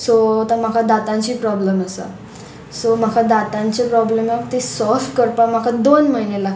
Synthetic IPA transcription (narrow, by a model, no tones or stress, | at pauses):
sot̪am̤akʰad̪at̪ãɲt͡ɕiːpɾɔbləməsa̰ | som̤akʰad̪at̪ãɲt͡ɕepɾɔblemakt̪isɔlfʈkəɾpam̤akʰad̪onməɦinela